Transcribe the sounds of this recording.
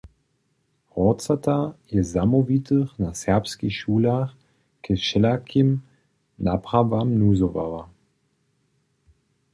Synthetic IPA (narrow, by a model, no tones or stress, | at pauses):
ʁɔt͡satajɛzamɔvitəχnasɛɐpskixʃuːlaχ | kʰɛʃɛlakʰim | napʁ̥avamnuːzɔva̰va